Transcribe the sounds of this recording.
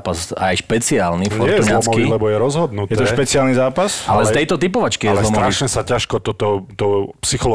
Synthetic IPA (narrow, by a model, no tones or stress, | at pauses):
pasajʃpɛt͡siaːlnifɲɔɾɛjɛuznalːɔt͡smɔkʋiilɛbɔjɛɾɔzɦɔd̪nutjɛɛt̪ɔʃpɛt͡sɪaːlnizaːpasalɛst̪ɛjt̪ɔt̪ipɔʋat͡ʃkijɛzlɔmɾaʃɲɛsacaʃkɔt̪ɔt̪ɔt̪ɔpsixɔl